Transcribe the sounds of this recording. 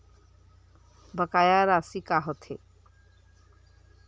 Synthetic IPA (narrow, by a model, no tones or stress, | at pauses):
bəkajaɾasikaɦɔt̪ʰe